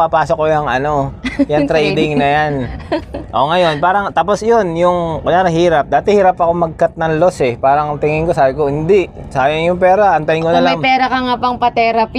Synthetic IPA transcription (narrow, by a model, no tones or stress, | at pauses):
ɐpaːsok̚ːojɐŋʔɐno̞jɐŋt̪ɾɛjd̪ɪŋnɐjan | ʔo̞ŋɐjo̞npaːɾɐŋt̪aːpo̞sjonjʊŋkʊjaːnɐɦiːɾɐp̚d̪aːt̪ɛhiːɾɐpːɐkomɐɡ̚kɐt̪̚nɐŋlo̞sɛpaːɾɐŋt̪ɪŋɪŋko̞saːbɪkohɪnd̪ɪʔ | saːjɐŋjʊŋp̬ɛːɾɐʔɐnt̪ɐɪŋkonɐlɐjmpɛːɾɐkɐŋapɐŋpɐt̪ɛːɾɐp